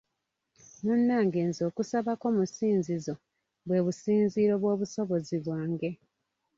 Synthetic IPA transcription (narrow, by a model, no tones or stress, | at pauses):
munːaːŋɡe̞ːnzo̞ːkusaβako̞musiːnzizo̞ | βwe̞ːβusiːnziːɾo̞βwo̞ːβuso̞βo̞ziβwaːŋɡe̞